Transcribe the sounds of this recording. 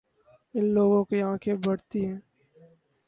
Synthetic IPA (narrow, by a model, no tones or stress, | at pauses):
ɪnloːɡõkiãːkʰebɐɽt̪iɦɛ̃ː